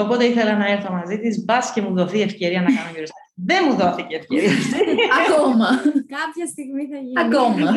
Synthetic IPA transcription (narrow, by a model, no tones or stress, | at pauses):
o̞po̞t̪e̞iθe̞lɐnɐe̞ɾθomɐzit̪izbɐsce̞muðo̞θiefce̞ɾiɐnɐkɐnoʝuɾist̪ɐðe̞muðo̞θiceːfceɾiɐiɐkomɐkɐpçɐst̪iɣmiθɐiɐkomɐ